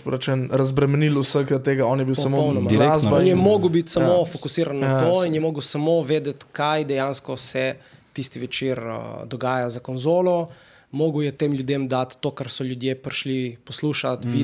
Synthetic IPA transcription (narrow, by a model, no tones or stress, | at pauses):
pɾɐt͡ʃɛnɾɐzbɾɛmɛnilusəkt̪eːɡaɔnjɛbiwsamoɔwnɔmzɔnjɛmoːɡəwbit̪samofokusiːɾanːat̪oinjɛmoːɡəwsamoʋeːd̪ɛt̪kajd̪ɛjanskɔsɛt̪ist̪iʋɛt͡ʃiɾə̰d̪ɔɡaːjazakɔnzoːlɔ | moːɡwjɛt̪eːmlʲjud̪emd̪at̪ːoːkaɾsɔljud̪jepɾiʃlipɔsluːʃat̪ʋi